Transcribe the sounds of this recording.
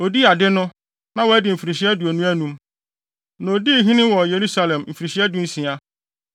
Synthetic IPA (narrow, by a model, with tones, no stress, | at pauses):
o˨di˦a˨dɪ˦nʊ̃˦ | nã˦wɔ˨æ˦dɪ˨m̩˨fi˨ɾi˨ɕi˦æ˦du˨æ˨nũ˦æ˦nũ˦m | nɔ̃˨o˨di˦˨ɦĩ˦nɪ̃˦wɔ˨je˨ɾu˦sa˨lɛ̃˨m˨m̩˨fi˨ɾi˨ɕi˦æ˦du˦n̩˦sĩ˨a˦